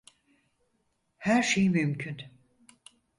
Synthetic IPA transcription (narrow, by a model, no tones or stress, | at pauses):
hæɾʃejmymcʰyn